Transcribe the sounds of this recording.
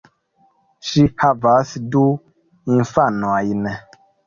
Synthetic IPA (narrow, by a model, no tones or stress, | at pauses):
ʃihavasdu | ĩnfanuajnɛ